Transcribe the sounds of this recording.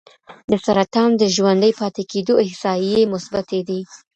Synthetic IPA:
d̪əsaɾat̪ɑmd̪əʒwand̪əjpɑt̪eked̪oɪhsɑjemʊsbat̪ed̪i

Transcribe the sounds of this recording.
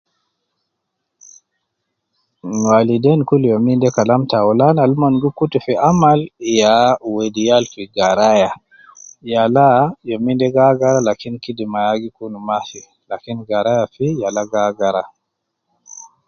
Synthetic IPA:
walidɛnkuljomindɛkalamtaɔlanalmanɡukːutufiʔamaljawedijalfiɡaɾaja | jalajomindɛɡaɡaɾalakinkidimajaɡikunumafi | lakinɡaɾajafijalaɡaɡaɾa

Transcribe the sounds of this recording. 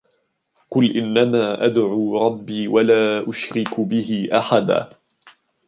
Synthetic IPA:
qʊlʔɪnːamaːʔad̪ʕuːɾˤɑbːiːwalaːʔʊʃɾɪkbɪɦɪʔaħad̪a̰ː

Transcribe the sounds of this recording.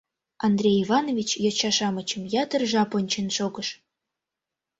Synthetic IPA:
ɑnd̪rʲejivɑnovʲit͡ɕjɑt͡ɕɑʃɑmət͡ɕəmjɑt̪ərʒɑponʲt͡ɕenʃoɡɤʃ

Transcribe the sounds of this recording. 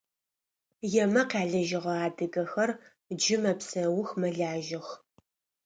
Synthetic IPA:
jɛmɐqʲaːɮɐʒɪʁɐaːdɨɡɐxɐr | d͡ʒɪmɐpsɐwʊxmɐɮaːʒɪx

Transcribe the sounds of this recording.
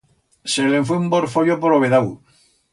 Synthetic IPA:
seleɱfweumboɾfoʎop̬oɾoβeðaw

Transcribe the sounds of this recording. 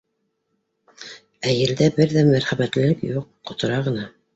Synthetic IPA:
æjɘ̆ld̪æbɘɾðæmæɾχæβæt̪lɘ̆lɘkjuqːŏt̪ɤ̆ɾɑʁɤ̆nɑ

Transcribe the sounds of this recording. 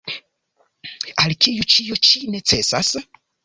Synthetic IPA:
alkijut͡ʃijot͡ʃine̞t͡se̞sa̰s

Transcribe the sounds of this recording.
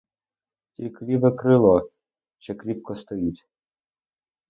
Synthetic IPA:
t̪ʲiklʲiʋɛkɾɪlˠɔ | t͡ʃɛkɾʲip̚kɔst̪ɔjitʲ

